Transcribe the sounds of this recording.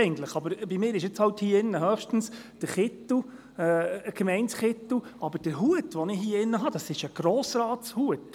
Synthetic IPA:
ɪɡn̩t̪ləχɑbəɾb̥imɪːɾɪʃjɪt͡shɑwthiːəɪnːəɦœːχʃtn̩sd̥əɾχɪtːu | ɛːɡ̥mɛɪntsχɪtːuɑbəɾd̥əɾɦuətʋɔnɪhiəɪnːəɦɑd̥ɑsɪʃəɡ̥ɾɔːsɾɑːtshuət

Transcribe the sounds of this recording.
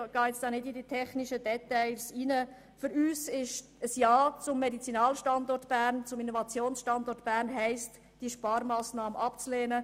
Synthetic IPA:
ɡ̥ɑːɛt͡sd̥ɑːnɪdiditʰɛχnɪʃədɛtɛɪsiːnə | fʏɾyːsɪʃ | əsjɑːt͡sʊmːɛdit͡sinɑːlʃtɑndɔrtb̥æːɾnt͡sʊminovɑt͡sjoːnsʃtɑndɔɾtb̥æːɾnɦɛɪst | d̥iəʃpɑːɾmɑːsnɑːməʔɑpt͡sleːnə

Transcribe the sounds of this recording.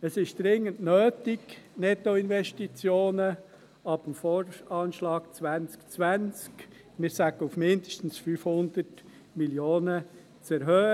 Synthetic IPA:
əsɪʃd̥ɾɪŋːəntnøːtɪɡnɛtoɪnvɛʃtit͡sjoːnə | ɑb̥əmforɑːnʃlɑːkt͡sʋænt͡skt͡sʋænt͡sk | mɪːɾsæɡ̥əufmɪndəʃtn̩sfyfhʊnd̥̪ət | miljoːnə | t͡sɛɾɦœː

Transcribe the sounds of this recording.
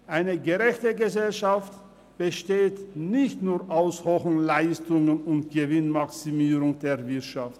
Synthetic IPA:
ʔaɪnəɡəʁɛçtəɡəzɛlʃaft | b̥əʃteːtnɪçtnuːɐʔaʊshoxn̩laɪstʊŋənʊntɡ̥əvɪnmaksimiːʁʊŋdeːɐvɪɐtʃaft

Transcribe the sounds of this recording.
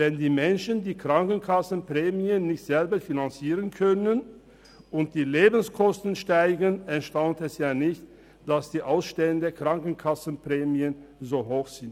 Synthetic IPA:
vɛndiːmɛnʃəndiːkʁ̥aŋkn̩kʰasn̩pʁ̥ɛːmiənːɪçtz̥ɛlbɐfinant͡siːʁənkʰœnən | ʔʊnt̚d̥iːleːbn̩skʰɔstən̩ʃtaɪɡənɛɐʃtaʊntɛsjaːnɪçt | d̥asd̥iːʔaʊsʃtɛləndeːɐkʁ̥aŋkn̩kʰasn̩pʁ̥ɛːmiənzoːɦoːxz̥ɪnt

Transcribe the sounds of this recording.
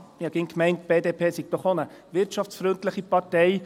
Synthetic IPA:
jɑɡ̥ɪŋkmɛɪnt̚b̥eːdeːpʰeːsiɡ̥̚tɔχonə | ʋɪɾt͡ʃɑft͡sfɾøntləχipɑɾtɛɪ

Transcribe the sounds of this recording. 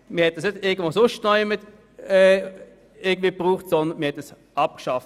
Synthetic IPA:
mɪːhɛt̚d̥əsnədɪɐɡəndvʋoːsʊʃtnɔʏmɪt | ɛː | ɪɐɡədviːpʁuːχtsɔnd̪ənmɪːhɛtəs | ɑp̚kʃɑft

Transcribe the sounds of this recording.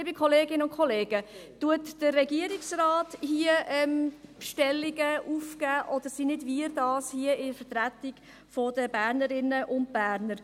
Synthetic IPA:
bɪkʰχɔleːɡɪnəʊnkʰχɔleːɡətuətd̥ərːɛɡiəɾiksrɑːthiəʔɛmʃtɛlːiɡəʔuːfkæːʔɔdəɾsinɪdviɾdɑːshiəɪfətɾætɪɡ̥ | fɔdəbæːɾnəɾɪnəʔʊnt̚b̥æːɾnəɾ

